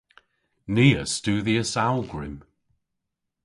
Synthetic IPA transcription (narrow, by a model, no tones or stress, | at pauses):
niːə̰stuːðiəsawlˠɡɹɪ̰m